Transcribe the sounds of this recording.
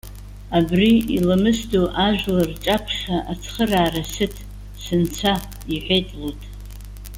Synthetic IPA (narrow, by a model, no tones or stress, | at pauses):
abriilamɨsdoʔaʒʷᶣlart͡ʃʼapʷʰʂaʔat͡sʰχəraːrasɨtʰ | sɨnt͡sʷʰa | iħʷᶣetʼlutʼ